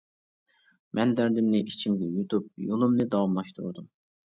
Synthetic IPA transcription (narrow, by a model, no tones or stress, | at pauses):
mʔɛnd̪æɾd̪ɪmnɪʔit͡ʃʰimɡʲɛjut̪ʰup̚jolˠumnɨd̪ɑwɑmlˠɑʃt̪ʰṵɾd̪um